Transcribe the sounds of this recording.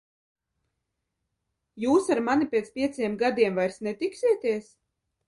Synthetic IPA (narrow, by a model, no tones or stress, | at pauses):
juːsaɾmanipʲeːt̪spʲiɛt̪sʲiɛmɡad̪iɛmvajɾsnɛt̪iksiɛt̪ʲiɛs